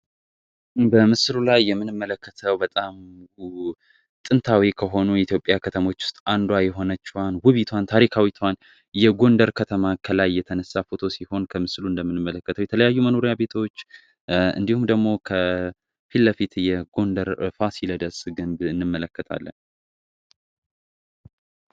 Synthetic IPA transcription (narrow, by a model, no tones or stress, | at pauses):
bəmɨslulajːɛmːɨnɨmːələkʰːət̪ʰəwbət̪ʼam | t̪ʼɨnt̪ʰawikʰəɦo̞nuɛit̪jo̞pʼːjakʰət̪ʰəmo̞t͡ʃːʊ̥st̪ʼand̪wajɛɦo̞nət͡ʃːɛwanwʊβit̪ʰwant̪ʰaɾikʰawit̪ʰwan | jɛɡo̞nd̪əɾkʰət̪ʰəmakʰəlajːɛt̪ʰənəsːafo̞t̪ʰo̞siho̞nkʰəmɨsluɨnd̪əmːɨnɨmːələkːət̪ʰəwjɛt̪ʰələjajːuməno̞ɾijabe̞t̪ʰot͡ʃː | ɨ̰nd̪ihumd̪əɡmo̞kʰə | filːəfit̪jɛɡo̞nd̪əɾfasiləd̪əsɡɨmbɨnːɨmːələkːət̪ʰa̰lːə̰n